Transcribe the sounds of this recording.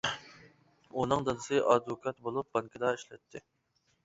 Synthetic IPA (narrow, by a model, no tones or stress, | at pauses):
unɨŋd̪ɨd̪ɨsɨʔɑd̪vokʰɑt̪̚bolˠup̚bɑŋkʰəd̪ɑiʃlɛt̪ʰːɪ